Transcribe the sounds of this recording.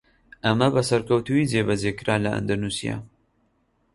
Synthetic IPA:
ʔɐmɐbɐsɐɾkɐwt̪uid͡zeːbɐd͡zekɨɾaːlɐʔɨ̰nd̪ɐnusija̰

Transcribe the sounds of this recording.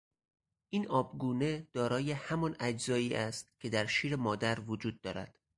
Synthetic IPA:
ʔiːnʔɒːbɡuːne̞d̪̥ɒːɾɒːje̞hæmɒnæd͡ʒzɒːiːʔæst̪cʲkʰe̞d̪æɾʃiːɾemɒːd̪æɾvod͡ʒuːd̪̚ːɒːɾæ̰d̪̥

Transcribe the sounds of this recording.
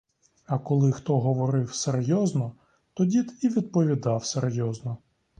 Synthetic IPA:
ɐkɔlˠɪxt̪ɔɦɔʋɔɾɪwserjɔznɔ | t̪ɔdʲid̪iʋʲid̪̚pɔʋʲid̪ɑwserjɔznɔ

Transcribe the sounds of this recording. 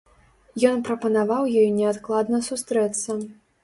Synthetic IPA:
jɔnpɾɐpɐnavawjɔjnʲɛat̪klˠad̪nɐsust̪ɾɛt̪sːɐ

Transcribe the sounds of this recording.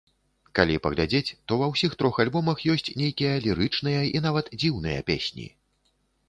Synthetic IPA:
kalʲipɐɣlʲad͡zʲet͡sʲt̪ɔvɐwsʲixt̪ɾɔxalʲbɔmɐxjɔsʲt͡sʲnʲejkʲijɐlʲiɾɨt͡ʂnɨjɐin̪avɐt̪d͡zʲiwnɨjɐ̰pʲḛsʲnʲḭ

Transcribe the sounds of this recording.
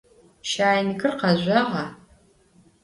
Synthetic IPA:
ʃaːjnɨɡɨrqɐʒʷɐʁɐ

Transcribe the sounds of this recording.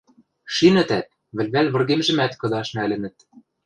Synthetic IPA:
ʃinɘ̆t̪æt̪̚ | βɘ̆lʲβælʲβɤ̆rɣemʒɘ̆mæt̪kɤ̆d̪ɑʃnælɘ̆nɘ̆t̪̚

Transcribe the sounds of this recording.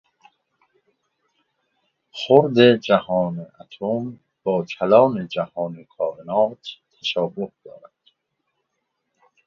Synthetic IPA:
xoɾd̪ed͡ʒæhɒːneʔat̪ʰom | b̥ɒːkʰælɒːned͡ʒæhɒːnekʰɒːbenɒːt̪ʰt̪ʰːæʃɒːbohd̪ɒ̰ːɾæd̪̥

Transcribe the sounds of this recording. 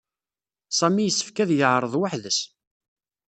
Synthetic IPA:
sˤæmijəsːə̥fkæðjəʕɾˤəðˤwaħðəs

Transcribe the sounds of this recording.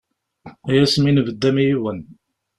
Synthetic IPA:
æjæsminvəd̪ːæmijiwən

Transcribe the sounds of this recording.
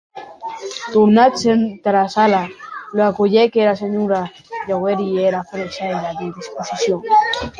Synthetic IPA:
t̪uɾnat̪sent̪eɾasalaloakoʝekeɾaseɲuɾa | ʝaɣeɾieɾafɾesaeɾaðiðisposisjoŋ

